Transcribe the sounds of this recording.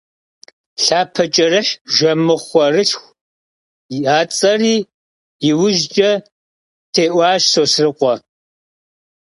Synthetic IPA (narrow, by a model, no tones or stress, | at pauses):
ɬaːpʰɐt͡ʃʼɐrɨħʒʷɐmɨχʷɔrɨɬxʷ | aːt͡sʼɐriː | jɪwʊʒd͡ʒʼɐ | tʰeːʔʷɑːʃsoːsrɨqʷɔ